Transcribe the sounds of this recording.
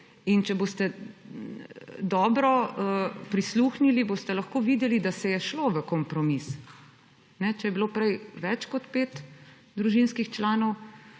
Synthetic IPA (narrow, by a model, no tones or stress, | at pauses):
int͡ʃɛbost̪ɛ | d̪ɔːbɾɔəpɾisluxniliboːst̪ɛlɐxkoːʋiːd̪ɛlid̪asɛjɛʃloʋəkɔmpɾɔmis | nɛt͡ʃɛjɛbiloːpɾɛjʋɛt͡ʃkɔt̪peːt̪ | d̪ɾuʒinskixt͡ʃlaːnɔw